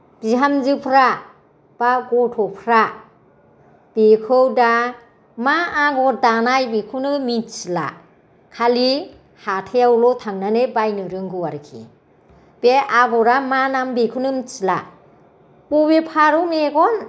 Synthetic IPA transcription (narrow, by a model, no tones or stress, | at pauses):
b̥iɦamzɯpʰɾa | b̥aɡɔtʰɔpʰɾa | b̥ekʰɯwda | maaɡɔdanajbekʰunɯmit͡ʃila̰ | kʰali | hatʰejawlɔtʰaŋnanebajnɯɾɯŋɡɯwaɾɯkʰḭ | b̥eaɡɔɾamanambekʰunɯmit͡ʃila̰ | pubepʰaɾɯmeɡɔn